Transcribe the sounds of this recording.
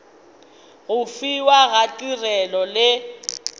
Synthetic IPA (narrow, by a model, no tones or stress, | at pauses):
ɣʊfiwaɣatʼirɛlɔlɪ